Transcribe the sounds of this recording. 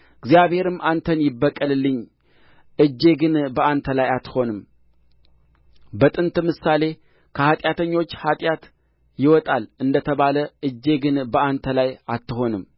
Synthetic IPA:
ɨɡzjaβhe̞ɾɨmːant̪ʰənjɪbːəkʼːəlɨlːɨɲː | ʔɨd͡ʒːe̞ɡɨnbəant̪ʰəlajat̪ho̞nɨm | bət̪ʼɨnt̪mɨsale̞ | kʰəhat̪ʼjat̪ʰəɲːo̞t͡ʃːhat̪ʼjat̪ | jɪwɔt̪ʼalɨnd̪ət̪ʰəβaləʔɨd͡ʒːe̞ɡɨnbəant̪ʰəlajat̪ːɨho̞nɨm

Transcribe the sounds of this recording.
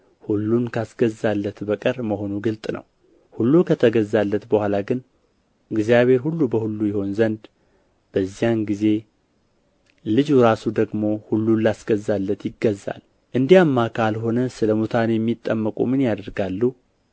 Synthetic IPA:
hulːunkʰasɡəzalːət̪bəkʼəɾməho̞nuɡɨlt̪ʼnə̰w | hulːukʰət̪ʰəɡəzːalːət̪bəhʷalaɡɨn | ɨɡzijaβe̞ɾhulːubəhulːujɛho̞nzənd̪ | b̥əzːijanɡize̞ | lɨd͡ʒuɾasud̪əɡmo̞hulːunlasɡəzːalːət̪jɪɡːəzːa̰l | ʔɨnd̪iamːakʰalɦo̞nəsɨləmut̪ʰanjɛmːit̪ʼːəmːəkʼṵmɨnjad̪əɾɡalːu

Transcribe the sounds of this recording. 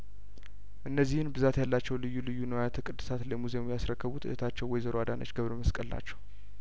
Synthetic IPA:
ʔɨnːəzːihɨnbɨzat̪jalːat͡ʃːɛwlɨjːulɨjːunəwajat̪ʰɨkʼɨd̪ːɨ̥sat̪ləmuze̞mujasɾəkːəβut̪ɨ̰ʔət̪ʰat͡ʃːɛwɔjzəɾoad̪anə̰t͡ʃːɡəβɾəməskʼəlːa̰t͡ʃːɛ̥w

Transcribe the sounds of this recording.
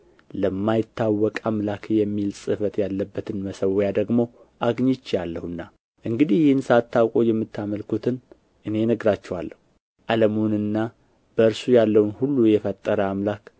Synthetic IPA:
ləmːajɪt̪ːawːɔkʼamlakʰjɛmːilsʼɨfət̪jalːəbːət̪ʰɨnməsəwjad̪əɡmo̞ | ʔaɡɲɪt͡ʃːjalːəhunːa | ʔɨŋɡɨd̪ihjɪhɨnsat̪ːawkʼojɛmːɨt̪ʰːaməlkut̪ʰɨn | ʔɨne̞nəɡɾat͡ʃːɛwa̰lːəhu | ʔaləmunɨnːa | b̥əɨɾsujalːəwnhulːujɛfət̪ʼːəɾəamlak

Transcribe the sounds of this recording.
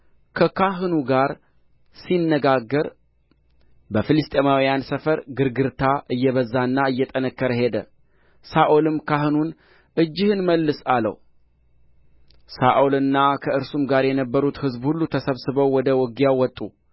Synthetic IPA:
kʰəkʰaɦɨnuɡaɾ | sinːəɡaɡːəɾ | bəfɨlɨst̪ʼemawjansəfəɾɡɨɾɡɨɾt̪ʰaʔɨjːɛβəzːanːaɨjːɛt̪ʼənəkːəɾəɦe̞d̪ə̰ | saʔolɨmkʰaɦɨnun | ʔɨd͡ʒːɪhɨnməlːɨsalə̰w | saʔolɨnːakʰəɨɾsumɡaɾjɛnəbːəɾut̪hɨzbhulːut̪ʰəsəβsɨβəwːɔd̪əwɔɡijawːɔt̪ʼːu

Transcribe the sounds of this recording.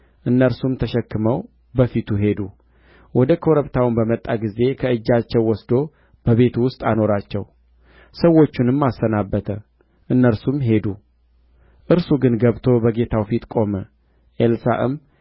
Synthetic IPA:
ʔɨnːəɾsumt̪ʰəʃɛkːɨməw | bəfit̪ʰuɦe̞d̪u | wɔd̪əkʰoɾəβt̪ʰawɨnbəmət̪ʼːaɡize̞kʰəɨd͡ʒːat͡ʃːɛwːɔsd̪o̞ | b̥əβe̞t̪ʰuwʊst̪ʼano̞ɾat͡ʃːɛw | səwːo̞t͡ʃːunɨmːasːənabːət̪ʰə | ʔɨnːəɾsumɦe̞d̪u | ʔɨɾsuɡɨnɡəβt̪ʰo̞bəɡe̞t̪ʰawfit̪kʼo̞mə | ʔelsa̰ʔɨ̰m

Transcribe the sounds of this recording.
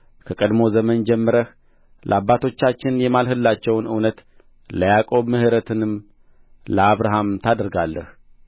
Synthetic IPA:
kʰəkʼəd̪mo̞zəmənd͡ʒɛmːəɾəh | lʔə̰abːat̪ʰo̞t͡ʃːat͡ʃːɪnjɛmalɦɨlːat͡ʃːɛwnɨwnət̪ | ləjakʼo̞βmɨhɨɾət̪ʰɨnɨm | ləaβɾaɦamt̪ʰad̪əɾɡalːəh

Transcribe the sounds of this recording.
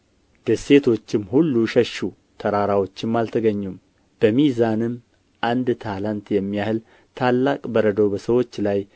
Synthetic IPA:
d̪̥əse̞t̪ʰo̞t͡ʃːɪmhulːuʃəʃu | t̪ʰəɾaɾawo̞t͡ʃːɪmːalt̪ʰəɡəɲːum | b̥əmizanɨm | ʔand̪t̪ʰalant̪jɛmːijahɨl | t̪ʰalːakʼbəɾəd̪əwbəsəwo̞t͡ʃːlaj

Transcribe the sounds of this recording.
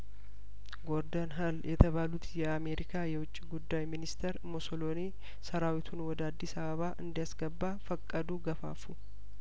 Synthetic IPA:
ɡɔɾd̪ɐnɦɐljɛt̪ɐβaːlʊt̪jɛame̞ːɾɪkaːjɛwʊt͡ʃʼːiɡʊd̪ːajmɪnɪst̪ʰɛɾmɔsɔloːni | sɐɾaːwɪt̪ʰʊnwɔd̪əad̪ːɪsɐβɐβaːʔɨnd̪ɪjasɡɐbːaːfɐkʼːɐd̪uːɡɐfa̰ːfu

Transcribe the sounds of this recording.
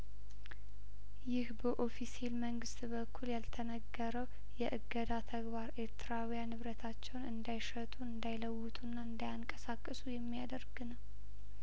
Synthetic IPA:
jɪhbəʔo̞fiselməŋɡɨst̪ʼbəkʰːuljalt̪ʰənəɡːəɾəw | jɛʔɨɡːəd̪at̪ʰəɡbaɾeɾt̪ʰɾawijanɨβɾət̪ʰat͡ʃːɛwnɨnd̪ajʃət̪ʼuɨnd̪ajləwːʊt̪ʼunːaɨnd̪ajaŋkʼəsakʼːɨsujɛmːijad̪əɾɡɨnəw

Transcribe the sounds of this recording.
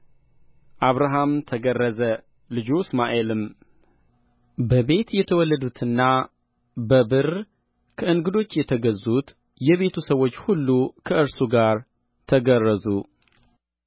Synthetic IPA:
ʔaβɾaɦamt̪ʰəɡərːəzə | lɨd͡ʒusmaʔe̞lɨm | bəβe̞t̪jɛt̪ʰəwɔlːəd̪ut̪ʰɨnːa | bəbɨr | kʰəʔɨnɡɨd̪o̞t͡ʃːjɛt̪ʰəɡəzut̪ | jɛβe̞t̪ʰusəwo̞t͡ʃːhulːukʰəʔɨɾsuɡaɾ | t̪ʰəɡərːəzu

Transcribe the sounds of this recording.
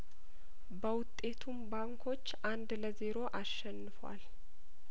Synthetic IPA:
bəwʊt̪ʼːe̞t̪ʰumbaŋkʰo̞t͡ʃːʔand̪ləze̞ɾo̞ʔaʃːɛnːɨfwa̰l

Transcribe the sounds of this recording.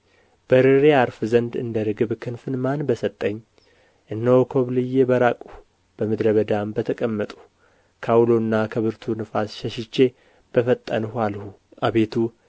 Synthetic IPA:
b̥əɾɨɾeaɾfɨzənd̪ɨ̰nd̪əɾɨɡɨβkʰɨnfɨnmanbəsət̪ʼːəɲː | ʔɨnːəwkʰoβlɨjːebəɾakʼu | b̥əmɨd̪ɾəβəd̪ambət̪ʰəkʼəmːət̪ʼu̥ | kʰawlonːakʰəβɨɾt̪ʰunɨfasʃɛʃɪt͡ʃːe̞ | b̥əfət̪ʼːənhalhu | ʔaβe̞t̪ʰu

